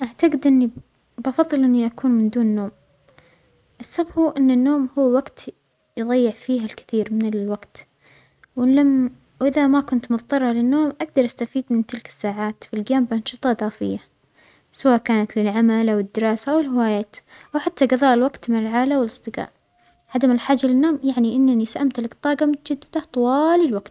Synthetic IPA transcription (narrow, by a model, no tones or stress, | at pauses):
ʔaʕt̪aɡɪd̪ʔɪnːi | bɑfɑðˤːɨlʔɪnːiʔakuːnmɪnd̪uːnːoːm | ʔɪsːabhuːʔɪnːɪnːoːmhuːwaɡt̪ | jɨðˤɑjːɪʕfiːɦalkɪ̥θiːɾmɪnɪlwaɡt̪ | wla | wʔɪðamakʊnt̪mʊðˤt̪ˤɑrˤːɑlɪnːoːmʔaɡ̚d̪ɑɾˤʔast̪afiːd̪mɪnt̪ɪlkɪ̥sːaːʕaːt̪filɡjaːmbʔɑnʃɨt̪ˤɑðˤɑːfɪ̰jːa | sawaːʔkaːnat̪lɪlʕamalʔawɪd̪ːɪɾˤɑːsaʔawɪlhɪwaːjaːt̪ | ʔawħat̪ːaɡɑðˤɑːʔɪlwaɡt̪mɪnɪlʕaːlawɪlɨsˤd̪ˤɨɡɑ̰ːʔ | ʕad̪amɪlħaːd͡ʒalɪnːoːmjaʕniʔɪnːanisaʔamt̪laɡt̪ˤːɑːɡɑmʊt̪ad͡ʒad̪ːɪd̪at̪ˤʊwɑːlɪlwaɡ̥t̪